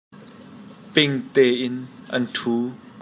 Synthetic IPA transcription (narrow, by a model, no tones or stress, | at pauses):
pɪŋt̪ɛːʔɪnʔɐ̰ntʰuː